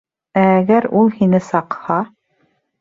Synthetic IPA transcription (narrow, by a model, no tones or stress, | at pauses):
æːɡæɾulˠhinɘsɑqhɑ